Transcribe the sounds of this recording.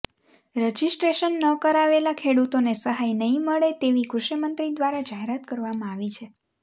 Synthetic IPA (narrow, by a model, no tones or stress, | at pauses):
ɾəd͡ʒisʈɾeʃənːəkəɾaʋelakʰeɽut̪onesəɦajnəɦĩməɭet̪eʋikɾuʃəmənt̪ɾid̪ʋaɾad͡ʒaɦeɾat̪kəɾʋamãaʋit͡ʃʰe